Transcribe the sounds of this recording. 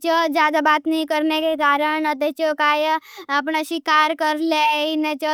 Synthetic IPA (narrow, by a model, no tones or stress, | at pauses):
t͡ʃod͡ʒjaːd̪abaːt̪nəĩkəɾnekekaːɾəɳ̃ət̪et͡ʃokaːjəpɳaʃikaːɾkəɾleinet͡ʃɔ